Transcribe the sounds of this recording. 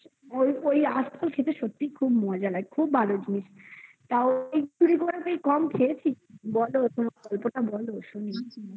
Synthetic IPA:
ojojast̪ʰɔlkʰet̪eʃot̪ːikʰubmɔd͡ʑalaekʰubʱːalod͡ʑiniʃ | t̪aoejd͡ʑuɽikoɾakejkɔmkʰeet͡ɕʰibɔlot̪omakɔlpoʈabɔloʃoni

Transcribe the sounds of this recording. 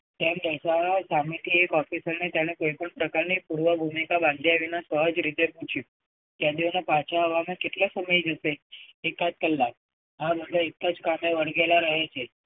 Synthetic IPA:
t̪emɾəsasamit̪ʰiekɔfisəɾnet̪jaɽ̃ekojpəɳpɾəkaɾɳiːpuɾʋəbʱumikabãnd̪ʱijaʋinasəɦəd͡zɾit̪eput͡ɕi | t̪jad̪iʋnəpat͡ɕaəʋamekiʈ̪ləsəməid͡zəseekat͡s̚kəlːa | ɦabʱəd̪ʱəek̪ːat͡skameʋəɽɡelaɾəɦet͡ɕe

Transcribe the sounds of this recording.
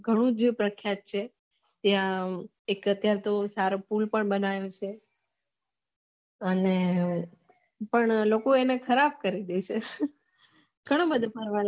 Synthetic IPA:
ɡʱəɽ̃ũd͡ʒepɾəkʰjat̪̚t͡ʃʰe | t̪jã | ekət̪jaɾt̪osaɾopulpəɳbənajõt͡ʃʰe | əne | pəɳlokoenekʰəɾab̚kəɾid̪et͡ʃʰe | ɡʱəɽ̃ãbəd̪ʱapəɾʋan

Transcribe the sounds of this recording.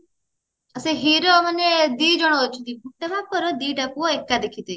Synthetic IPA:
əseɦiɾɔmaned̪id͡ʒɔɽ̃ɔːt͡ʃʰut̪ibʱuʈːebapɔɾɔd̪iɖapuɔekːad̪ekʰit̪i

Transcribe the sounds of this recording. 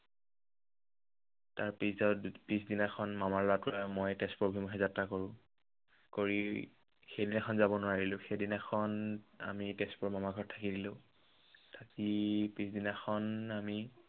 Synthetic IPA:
taɹpiszɔpisdinaxʰɔnmamaɹlapʊɹamojtɛstpobʱumɦɛzatːakoɹʊ̃ | koɹi | xejdinakʰɔnzabɔnʊwaɹilʊ̃xejdinaxʰɔna̰mitespɔɹmamaɡʱɔɹtʰakidilʊ̃ | tʰakipisdinaxɔnami

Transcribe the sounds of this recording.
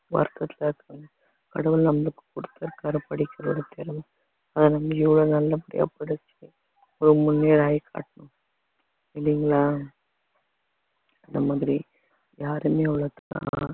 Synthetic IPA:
ʋɐ̰ɾkɐt̪ːɪlɐɾkːɐŋɐ | kɐɽɐʋɯlnɐmːɐɭɯkːɯ̥kʊɽɯt̪ːɐɾɯkaːɾɐpɐɽɪkʲːɪɾɐɽɐt̪eːɾɐmɐ | ɐðɐnɐmːɐɪʋɐɭoːnɐlːɐpɐɽɪ̰ja̰pːɐɽɯt͡ʃːi | ɔɾɯmʊnːeːɾaːjkʰa̰ːʈɐnʊ̃ | ɪlːiŋɡɐɭaː | ɪnd̪ɐmaːðɪɾi | jaːɾɯmeːɐʋɐɭɐt̪ːɐkːã̰ː

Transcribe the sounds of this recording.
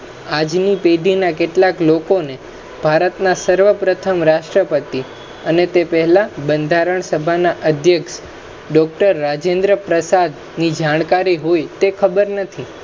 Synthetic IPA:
ad͡ʒnipeɖ̪ʱinakeʈlaklokone | b̥ʱaɾət̪nasəɾʋəpɾət̪ʰəmɾaʃʈɾəpət̪i | ənet̪epəɦɛlabənd̪ʱaɾəɳ̃səbʱanaʔəd̪ʱjəkʃ | ɖɔk̚ʈəɾːad͡ʒẽnd̪ɾəpɾəsad̪ | nid͡ʒaɳ̃kaɾiɦojt̪ekʰəbəɾnət̪ʰi

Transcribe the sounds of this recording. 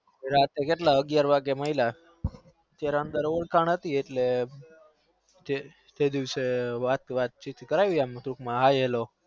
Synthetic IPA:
eɾat̪ekeʈlaəɡjaɾʋaɡjeməɦila | t̪jaɾaənd̪əɾoʋəɭkʰaɳɦət̪ieʈle | t̪e | t̪ed̪iʋseʋat̪ʋat̪̚t͡ʃit̪kəɾajuamt̪ɾukmãɦajelo

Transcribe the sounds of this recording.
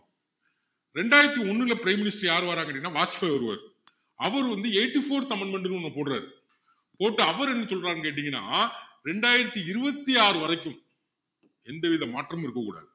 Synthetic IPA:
ɾɛɳɖaːjɪɾɐt̪ːiɔnːɯlɐpɪɾɐɪmːɪnɪsʈɐɾjaːɾɯʋaːɾaːŋɡɐʈːinːaːʋaːt͡ʃpɐɔɾɯʋɐ̰ːɾ | ɐʋɐɾɯʋɐnd̪ɯeɪʈːifoːɾt̪ɐmɐɳmɛɳɖɯnɯɔnːɐpoːʈɾa̰ːɾɯ | poːʈːɯɐʋɐɾɛnːɯsɔlɾaːɾnkeːʈ̬ːɪŋɡɐnːa̰ːɾɛɳɖaːjɪɾɐt̪ːiɪɾɯbɐt̪ːiaːɾɯʋɐɾɐɪkːɯm | ɛnd̪ɐʋiðɐmaːʈrɐmɪɾɯkːɐkːuːɽa̰ːðɯ

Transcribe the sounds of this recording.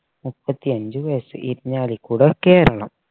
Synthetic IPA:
mupːɐt̪ːiɐɲd͡ʑɨʋɐjɐsɨ̰ʔiɾiɲːaːlikːuːɽɐkeːɾɐɭɐ̰m

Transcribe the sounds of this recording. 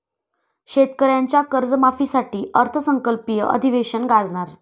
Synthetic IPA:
ɕet̪kəɾjaɲt͡ɕjakəɾd͡zəmafiːsaʈiːʔəɾt̪ʰəsəŋkəlpijəʔə̰d̪ʱiʋeɕənɡad͡zɳaɾ

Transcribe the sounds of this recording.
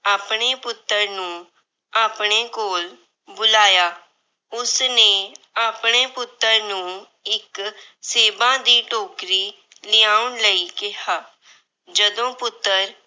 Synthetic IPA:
aːpɽ̃eːpʊt̪ːəɾnũː | aːpɳ̃eːkoːl | bʊlaːjaː | ʊsneː | aːpɳ̃eːpʊt̪ːəɾnũː | ɪkseːbãːd̪iːʈoːkɾiː | lɪaːʊɳləiːkɪɦaː | d͡ʒəd̪õːpʊt̪ːəɾ

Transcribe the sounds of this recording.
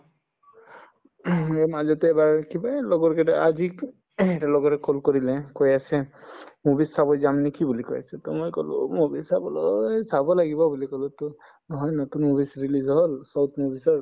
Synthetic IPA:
emad͡ʒɔt̪eebaɾkibalɔɡɔɾkeʈad͡ʒi | eʈalɔɡɔɾekolkɔɾilɛ̃kɔjasʰemubisːabɔd͡ʒamnikibulikɔja̰t͡ʃʰet̪ɔmojkɔlṵmubisabɔlɔsabɔlaɡibɔbulikɔlut̪ɔ | nɔɦɔjnɔt̪unmubisɾilizɦɔlsɔwt̪mubisɔɾ

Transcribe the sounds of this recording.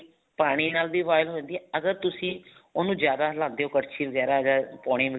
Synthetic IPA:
paːɽ̃iːnaːld̪iːʋaːɪlɦõːnd̪iɛəɡəɾt̪ʊsĩːoːnũːd͡ʒjaːd̪aːɦlãːnd̪eːɦoːkəɾt͡ʃʰiːʋəɡɛːɾaːd͡ʒaːpɔːɽ̃ĩːʋə

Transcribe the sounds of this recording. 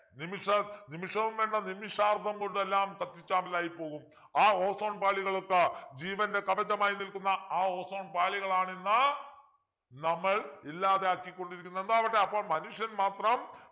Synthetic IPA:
nimiʂɐnimiʂɐʋumʋeːɳːɐnimiʂaːrd̪ʱɐmkoɳɖuelːaːmk̪ɐt̪ːit͡ɕːaːmɐlaːjipːo̞ːɣum | aːo̞ːso̞ːɳpaːɭiɣɐɭokːɐd͡ʑiːʋɐnde̞kɐʋɐd͡ʑɐmaːjinilkunːɐaːo̞ːso̞ːɳpaːɭiɣɐɭaːɳenːɐ | nɐmːɐɭilːaːðeaːkːikʲːo̞ɳɖiɾikʲːunːend̪oɐʋiʈːeɐpːo̞ːɭmɐnuʂjɐnmaːt̪rɐm

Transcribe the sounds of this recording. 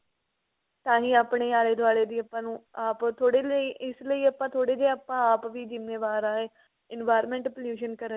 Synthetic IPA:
t̪ãːɦĩːaːpɳeːaːleːd̪ʊaːɽeːd̪iːəpːãːnũːaːpt̪ʰoːɽeːləiːʔɪsləiːəpãːt̪ʰoːɽeːd͡ʒeːapãːaːpʋiːd͡ʒɪnːeːʋaːɾaːɦeː | ɪnʋaːɪɾmɛ̃ɳʈəpljuːʃənkəɾə

